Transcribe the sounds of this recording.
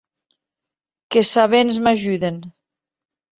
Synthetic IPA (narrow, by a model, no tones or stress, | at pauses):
kesaβenzmaʒuðen